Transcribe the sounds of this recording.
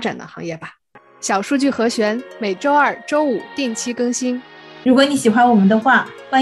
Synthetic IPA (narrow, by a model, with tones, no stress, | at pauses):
ʈ͡ʂa̰˨˩nd̪ə̰˦xɑ̰˧˥ŋjɛ˥˩bɐ˩ | ɕjɑ˨˩ʊʂu˥˧t͡ɕy˥˩xɤ˧˥ɕɥɛ˧˥nme˨˩ɪʈ͡ʂo˥ʊɐ˞˥˩ʈ͡ʂo˥ʊu˨˩t̪i˥˩ŋt͡ɕʰi˥kɤ˥ŋɕi˥nɻu˧˥kwɔ˧˥˦ni˧˥ɕi˨˩xwa˥nwɔ˨˩mə˦nd̪ə˧xwa˥˩wa˥˧